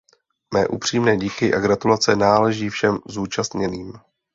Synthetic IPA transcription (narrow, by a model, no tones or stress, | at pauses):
mɛːʔupr̝̥iːmnɛːɟiːkɪʔaɡɾat̪ulat͡sɛnaːlɛʒiːfʃɛmzuːt͡ʃast̪ɲɛniːm